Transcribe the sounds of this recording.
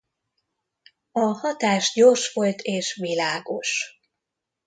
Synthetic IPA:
ɒhɒt̪aːʃɟorʃʋo̞lt̪ʰeːʃʋilaːɡo̞ʃ

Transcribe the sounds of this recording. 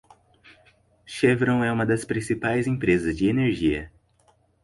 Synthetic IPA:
ʃevɾõw̃ɛũmɐd̪ɐspɾĩsipajzẽpɾezɐzd͡ʒɪeneɾʒiɐ̰

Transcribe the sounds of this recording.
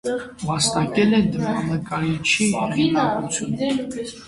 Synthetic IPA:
vɑst̪ɑkɛlɛnd̪əɾɑnəkɑɾit͡ʃʰiɛɑkut͡sʰjun

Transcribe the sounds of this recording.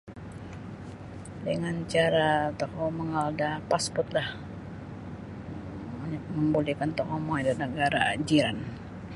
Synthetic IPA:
dəŋant͡ʃaɾat̪əkoməŋaldapaspɔt̪̚lah | məmbulikant̪ɔkɔmɔjdanəɡaɾad͡ʒiɾan

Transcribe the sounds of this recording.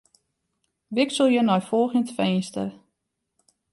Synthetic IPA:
ʋɪksolˠjənɔjfɔlˠxəntfeːnstə̰r

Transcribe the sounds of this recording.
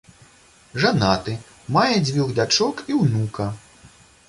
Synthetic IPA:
ʐanat̪ɨ | majɛd͡zʲvʲuɣd̪ʲat͡ʂɔkiwnukɐ

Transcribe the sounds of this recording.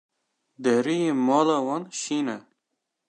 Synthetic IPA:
d̪ɛɾijeːmɑːlɑːwɑnʃiːnɛ

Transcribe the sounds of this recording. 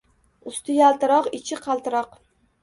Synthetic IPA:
ʊst̪ʊjalˠt̪ɪɾɒqɪt͡ʃʰɪqʰɑlˠt̪ɨɾɒq

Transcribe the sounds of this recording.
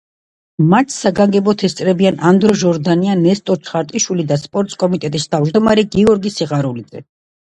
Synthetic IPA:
mat̪ʰsaɡaŋɡɛbɔt̪ʰɛst̪sʼɾɛbianand̪ɾɔʒɔɾd̪anianɛst̪ʼɔt͡ʃʰχaɾt̪ʼiʃwilid̪aspʼɔɾt̪ʼskʼɔmit̪ʼɛt̪ʼist̪ʰavd͡ʒd̪ɔmaɾɛɡiɔɾɡisiʁaɾulid̪zɛ̰

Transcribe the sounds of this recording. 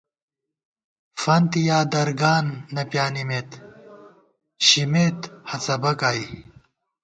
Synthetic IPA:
fɐnt̪ijaːd̪ɐɾɡaːnːɐpjaːnimeːt̪ | ɕimeːt̪hɐt͡sɐbɐkaːj

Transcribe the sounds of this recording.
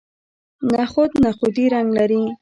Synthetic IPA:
naχʊd̪naxʊd̪iɾaŋɡlaɾi

